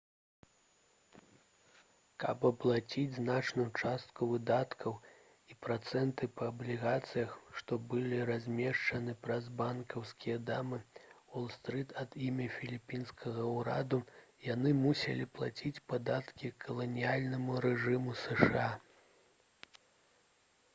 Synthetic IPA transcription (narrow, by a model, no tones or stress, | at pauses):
kɐpɐplˠat͡sʲid͡zʲznat͡ʂnujut͡ʂast̪̚kuvɨd̪at̪kʰɐw | ipɾat̪sɛnt̪ɨpɐːblʲiɣat̪sɨjɐxʂt̪ɔbɨlʲiɾazʲmʲɛʂt͡ʂɐnɨpɾɐzbankɐwskʲijɐd̪amɨwɔlˠst̪ɾɨt̪ʰɐd̪imʲɐfʲilʲipʲinskʰɐɣɐwɾa̰d̪ujanɨmusʲɛ̰lʲiplˠat͡sʲit͡sʲpad̪at̪kʲikʰɐlˠɐnʲijalʲnɐmuɾɛʐɨmusɛʂɨa